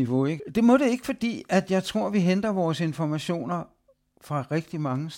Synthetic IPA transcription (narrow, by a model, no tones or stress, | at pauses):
iʋo̝eɡd̥e̝mɔ̽ɾ̥e̝e̝ɡ̥ə̥fɒ̽d̥ḭːæd̥jɑ̈ɪt͡sʰʁo̝ɐ̰ʋiɦend̥ɐʋɒːse̝nfɒmæɕo̝̰ːnɐ | fʁɑ̈ʁɛɡ̥̚d̥imɑ̈ŋəs